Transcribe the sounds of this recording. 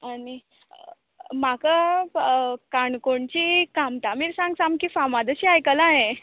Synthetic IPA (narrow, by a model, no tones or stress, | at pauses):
ani | maka | kaɳkoɳt͡ɕikamt̪amiːɾsãŋɡsamkiːfamad̪əɕiːajkəlaɦe